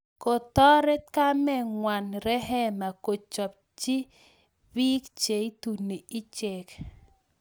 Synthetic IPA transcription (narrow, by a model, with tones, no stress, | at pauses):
ko˨tɔ˦ɾɛ˦t̪̚ka˦mɛ˦˨ŋwa˨nɾɛ˦ɦɛ˦ma˨ko˨t͡ʃɔ˨p̚ | t͡ʃɪ˦ | bi˦kt͡ʃe˨i˦tu˨ne˨i˦t͡ʃe˨k